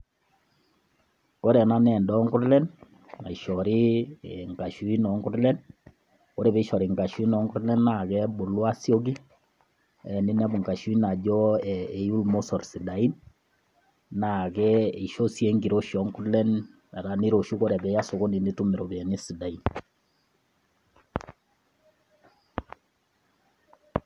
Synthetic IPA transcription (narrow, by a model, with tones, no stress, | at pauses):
ko˦ɾɛ˨na˦nɛ˨ndɔ˦ŋɡu˦ɾlɛ˦n | na˨i˨ʃɔ˨ɾi˦ŋɡa˨ʃu˦i˦nɔ˨ŋɡu˦ɾlɛ˦n | ko˦ɾɛ˨bɛ˨˦i˦ʃɔ˨ɾi˨ŋɡa˨ʃu˦i˦nɔ˨˦ŋɡu˦ɾlɛ˦nːa˨kɛ˦bo˨lwa˦sjo˦ɡ̬i˦ | ɛ˨ni˦nɛ˦bu˨ŋɡa˨ʃu˦i˦na˨d͡ʒɔ˦e˨ju˦lmo˦sɔ˨rsi˨da˨i˦n | na˨kɛ˦i˨ʃo˦sje˦ŋɡi˨ɾo˦ʃɔ˨˦ŋku˦ɾlɛ˦n | a˨ɾa˨ni˦ɾo˨ʃu˦ko˦ɾɛ˨bɛ˨˦ja˦so˨ko˦ni˨ni˦tu˦me˨ɾo˨bɛ˨ni˦si˨da˨i˦n